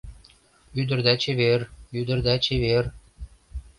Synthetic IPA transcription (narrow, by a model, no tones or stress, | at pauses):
yd̪ɘ̆rd̪æt͡ɕeβeryd̪ɘ̆rd̪æt͡ɕeβer